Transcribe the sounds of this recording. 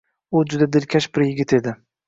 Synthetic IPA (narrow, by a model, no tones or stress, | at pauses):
ʊd͡ʒʊd̪ad̪ɪlkʲʰaʃbɪɾjɪɡʲɪt̪ʰe̞d̪ɪ